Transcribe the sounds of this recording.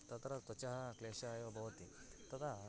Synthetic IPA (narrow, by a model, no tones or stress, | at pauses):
t̪ɐt̪ɾɐt̪ɔt͡ʃɐɦɐkleːʃɐːjʋɐbʱɐʋɐt̪i | t̪ɐt̪ʰa